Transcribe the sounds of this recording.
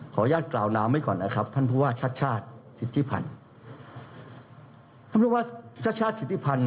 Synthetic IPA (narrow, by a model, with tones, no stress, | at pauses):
kʰɔː˩˦jaː˥˩t̪̚klaː˨˩wnaː˧ma˥˩jkɔː˨˩nːa˦˥kʰɾa˦˥pʰːa˥˩npʰuː˧waː˥˩t͡ɕʰa˦˥t̪̚t͡ɕʰaː˥˩t̪̚si˨˩t̪ʰːi˦˥˩pʰa̰˧n | t̪ʰa˥˨pʰu˥˧˩waː˥˩t͡ɕʰa˥t̪̚t͡ɕʰaː˥˩si˨˩t̪ʰːi˦˥pʰa˧n